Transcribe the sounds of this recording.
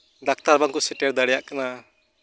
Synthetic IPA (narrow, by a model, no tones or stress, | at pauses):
ɖak̚t̪aɾbaŋkusɛʈɛɾd̪aɽɛjaʔkana